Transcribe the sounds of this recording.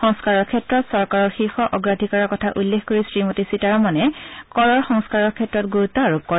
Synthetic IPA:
xɔŋskaɹɔɹkʰɛtɹɔtsɔɹkaɹɔɹxixɔʔɔɡɹadʱikɔɹaɹkɔtʰaʔulːexkoɹisɹimotisitaɹɔmanɛkɔɹɔɹxɔŋskaɹɔɹkʰɛtːɹɔtɡoɹutːɔɹup̚kɔ

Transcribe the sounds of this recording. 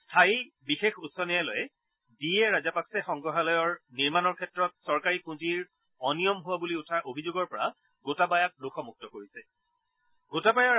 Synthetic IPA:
stʰaji | bixexutsɔnijalojɛ | biɛɹazapaksɛxɔŋɡɔɦalɔjɔɹniɹmanɔɹkʰɛtɹɔt̚sɔɹkaɹikũziɹ | ɔnijɔmɦʊwabuliʊtʰaʔobʱizuɡɔɹpɔɹa̰ | ɡotabajak̚duxʰɔmuk̚tɔkoɹisɛ | ɡ̥otabajɔ

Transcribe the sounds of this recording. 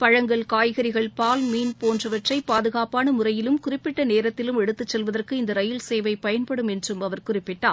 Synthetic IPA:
pɐɻɐŋɡɐɭkaːjɣɐɾɪɣɐɭpaːlmiːnpoːndrɐʋɐʈrɐɪpaːðɯɣaːpaːnɐmʊrɐjɪlɯmkʊrɪpːɪʈːɐneːɾɐt̪ːɪlɯmɛɽɯt̪ːɯt͡ʃːɛlʋɐðɐrkɯɪnd̪ɐɾɐjɪlseːʋɐɪpɐjɐnpɐɽɯmɛndrɯmɐʋɐɾkʊrɪpːɪʈːa̰ː

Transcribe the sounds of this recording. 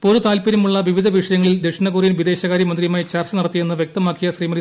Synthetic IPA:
poɾut̪aːlpɐɾɐmuɭːɐʋiʋid̪ʱɐʋiʂɐjɐŋːɐɭild̪eʂɐnɐɣuːrijnʋid̪e̞ːɕɐɣaːɾimɐnd̪rijɐmaːjt͡ɕaːrt͡ɕːɐnɐɾɐt̪ːije̞nːɨʋjek̚t̪ɐmaːkːijɐɕriːmɐɾ

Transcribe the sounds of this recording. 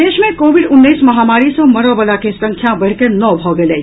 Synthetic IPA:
eːʃmẽkoːʋɪɖʊnːəiːsmɐɦaːmaːɾisɔmɐɾɔbəlakesɐ̃ŋkʰjãbəɽkenɔbʱɔɡeleː

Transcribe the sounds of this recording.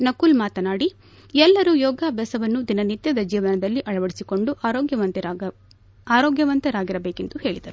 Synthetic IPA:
nɐkulmaːt̪ɐnaːɽi | ɛlːɐɾujɔːɡaːbʱjɐsɐʋɐnːud̪inɐnit̪jɐd̪ɐd͡ʒiːʋɐnɐd̪ɐlːiʔɐɭɐʋɐɽisiko̞ɳɖuʔɾoːɡjɐʋɐnt̪ɐ | aːɾoːɡjɐʋɐnt̪ɐɾaːɡiɾɐbe̞ːke̞nd̪uhe̞ːɭid̪ɐɾu

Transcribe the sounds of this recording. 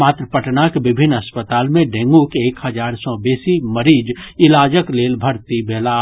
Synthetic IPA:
maːt̪ɾəpəʈnakeʋɪbʱɪnːɐspət̪aːlmẽɖẽːŋɡokeeːkhɐd͡ʒaːɾsɔbeːsiməɾiːd͡ʒɪlaːd͡ʒəkleːlbʱəɾt̪ibʱɛːla

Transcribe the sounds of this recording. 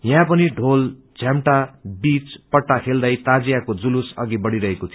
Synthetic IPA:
jãpʌniɖʱol | d͡zʱjamʈabit͡spʌʈːakʰeld̪ʌjt̪ad͡zjãkod͡zulusʌɡibʌɽiɾʌɦekot̪ʰ

